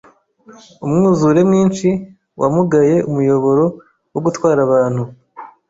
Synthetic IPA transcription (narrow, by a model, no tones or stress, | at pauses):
umŋuːzuɾe̞mŋiːnt͡ʃi | wʔa̰muɡaje̞umujo̞βo̞ɾo̞ | woɡutwaːɾaβaːnhu